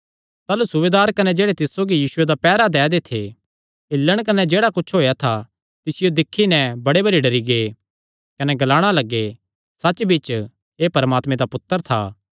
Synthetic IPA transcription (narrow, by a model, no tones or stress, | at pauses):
t̪aːlusʊʋeːd̪aːɾkɐnɛd͡ʒeːɽet̪ɪssoːɡijiːsʊed̪apɛːɾad̪ɛːd̪et̪ʰe | ɪlːəɽ̃k̬ɐnɛd͡ʒeːɽakʊt͡ʃʰɦoːjat̪ʰa | t̪ɪsɪjod̪ɪkʰːinɛ̃bɐɽebɐɽiɖɐɾiɡeː | kɐnɛɡɐlaːɽ̃alɐɡːe | sɐːt͡ʃbit͡ʃ | eːpɐɾəmaːt̪mẽd̪apʊt̪ːəɾt̪ʰa̰ː